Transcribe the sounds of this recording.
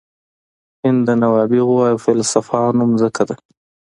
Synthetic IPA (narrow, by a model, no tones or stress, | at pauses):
hɪnd̪anawɑbɪɣwɑjufalsafɑnʊmzəkad̪a